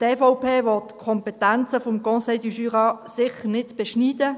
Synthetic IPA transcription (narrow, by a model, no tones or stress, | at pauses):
tefoʊpʰeːʋɔtkʰɔmpɛtænt͡səfomkɔ̃sedyʃyːʁɑːsɪχəʁnɪtb̥ɛʃniːdə